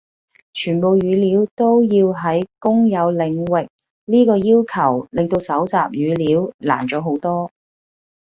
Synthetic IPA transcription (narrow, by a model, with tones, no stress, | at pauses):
t͡ʃʰyː˨˩npo˨˧wjyː˨˧liː˨˧˥wt̪o˥wjiː˧wɦɐ˨˥jkʊ˥ŋjɐ˨˧wlɪ˨˧ŋwɪ˨k̚ | liː˥kɔː˧jiː˥wkʰɐ˨˩wlɪ˨ŋt̪o˧wsɐ˨˥wt͡sa̰ː˨p̚jyː˨˧liː˨˥wla̰ː˨˩nt͡ʃɔː˨˥ɦo˨˥wt̪ɔː˥